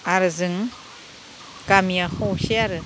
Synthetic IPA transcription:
aɾɯzɯŋ | kamiahoseaɾɯ

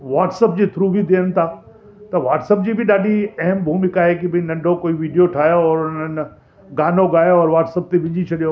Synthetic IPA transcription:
ʋaːʈsəpd͡ʑiːt̪ʰɾuːbʱid̪eːənɪ̆t̪ʰaː | t̪ɐʋaːʈsəp̚d͡ʑiːbʱɪɗaːɗʱiɐɦəmbʱuːmɪkaːɦekibʱɪ̃nɐ̃ɳɖʱokoːiʋiːɖijoʈʰaːjoɔːɾʊn̤ən̆ | ɡaːnoɡaːjoɔːɾʋaːʈsəp̚t̪eʋɪ̃d͡ʑit͡ɕʰɐɗijo

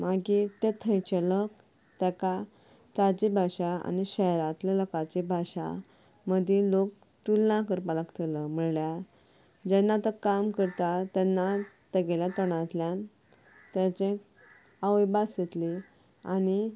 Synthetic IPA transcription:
maɡit̪et̪ʰəjt͡ɕelək | t̪ɛka | t̪ad͡ʑibʱaɕaa̰niɕɛɾãt̪lalɔkat͡ɕibʱaɕa̰ | məd̪ʱẽlok̚ | ʈulnãkəɾpaləkt̪ələm̤əɽlja | d͡ʑɛnːat̪əkamkəɾt̪at̪ɛnːat̪əɡeljãt̪əɽ̃ãt̪ljan | t̪at͡ɕẽ | aʋjbaset̪li | a̰ni

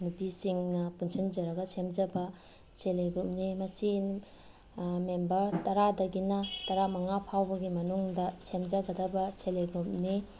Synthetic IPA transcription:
nupisiŋnɐpunsʰind͡ʒɐɾɐɡɐsemd͡ʒɐbɐ | seleɡɾup̚nimɐsi | membɐɾtɐɾadɐɡinɐtɐɾamɐŋapʰawbɐɡimɐnuŋdɐsemd͡ʒɐɡɐdɐbɐseleɡɾup̚ni

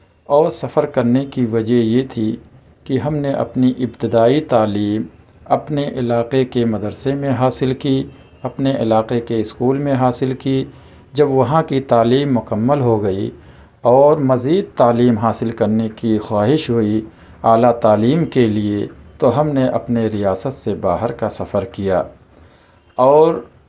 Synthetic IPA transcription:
ɔːɾsɐfəɾkɐɾnekiʋɐd͡ʒəɦjet̪ʰi | kiɦɐmneʔɐ̰pniʔɪbt̪ɪd̪aːit̪aːliːm | ɐpneʔɪlaːqekemɐd̪əɾsemẽɦaːsɪlki | ɐpneʔɪlaːqekeɪskuːlmẽɦaːsɪlki | d͡ʒɐbʋɐɦãkit̪aːliːmːʊkəmːəlɦoɡɐḭ | ɔːɾmɐziːd̪̚t̪aːliːmɦaːsɪlkɐɾnekixwaːɦɪʃɦʊi | aːlat̪aːliːmkeliet̪oɦɐmneʔɐpneɾijaːsət̪sebaːɦəɾkasɐfəɾkija̰ː | ɔːɾ

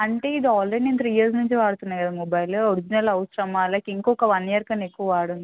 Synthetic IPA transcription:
ɐɳʈe̞ːid̪iaːlɾeɽinint̪ʰɾiːjɐɾs̬nuɲt͡ʃiʋaːɽut̪unːaːjkɐd̪amɔbaːjloɾid͡ʒinɐlɐwsɾɐmaːlɐkiŋkɔkɐʋɐnjɐɾkɐnekːuʋɐʋaːɽund̪i

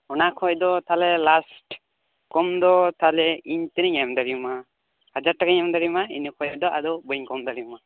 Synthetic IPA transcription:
ɔnakʰɔjd̪ɔt̪ʰalɛlasʈ | kɔmd̪ɔt̪alɛiɲt̪ɛniɲamd̪aɾima | had͡ʒaɾʈakaɲamd̪aɾimaḭnikʰɔjd̪ɔʔad̪ɔbɔɲkɔmd̪aɾima

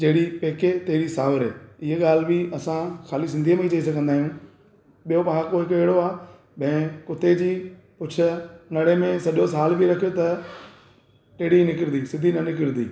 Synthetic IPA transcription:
d͡ʑɐɦɪɽipeːket̪eɦɪɾisaːʋəɾḛːɪɦəɠaːlbiɐsãxaːlisɪ̃nd̪ʱijəmẽit͡ɕɐisɐɡʱə̃nd̪aːɦijũː | ɓijopɐãkoɦɪkʊeːɽoaː | bɐ̃ɪ̃kʊt̪ed͡ʑiː | pʊt͡ɕʰʊ̆nɐɽemẽsɐʄosaːlbʱiɾɐkʰijot̪ɐ | ʈeɽinɪkɪɾnd̪isɪd̪ʱinɐnɪkɪɾd̪ḭː

